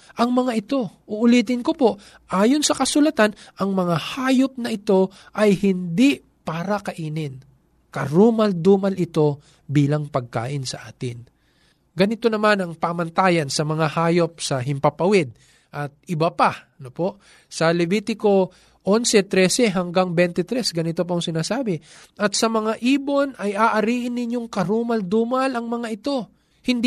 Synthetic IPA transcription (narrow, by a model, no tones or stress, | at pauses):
ʔɐŋmɐŋaʔɪt̪o̞ʔʊʔʊliːt̪ɪnkopo̞ʔ | ʔaːjonsɐkɐsʊlɐt̪anʔɐŋmɐŋahaːjop̚nɐʔɪt̪o̞ | ʔɐjhɪnd̪i | paːɾɐkɐʔiːnɪn | kɐɾumɐld̪uːmɐlɪt̪o̞ | biːlɐŋpɐɡ̚ka̰ːʔɪnsɐʔaːt̪ɪn | ɡɐnɪt̪o̞nɐmanɐŋpamɐnt̪aːjɐnsɐmɐŋahaːjo̞p̚sɐɦɪmpɐpɐwɛd̪̚ | ʔɐt̪̚ɪbɐpaɐnopo̞ʔ | sɐlɛbiːt̪ɪko̞ | ʔo̞nsɛt̪ɾɛsɛɦɐŋɡaŋbɛnt̪ɛt̪ɾɛsɡɐnɪt̪op̬ɐʊŋsɪnaːsaːbɪ | ʔɐt̪̚sɐmɐŋaʔiːbo̞nɐjaːʔɐɾiːʔɪnːɪɲjo̞ŋkɐɾuːmɐld̪uːmɐlɐŋmɐŋaʔɪt̪o̞ | hɪnd̪